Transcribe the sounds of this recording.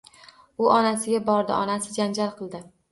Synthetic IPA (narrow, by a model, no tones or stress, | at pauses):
ʊʔɒnasɪɡʲabɒɾd̪ɪ̰ʔɒnasɪd͡ʒand͡ʒalˠqʰɨlˠd̪ɪ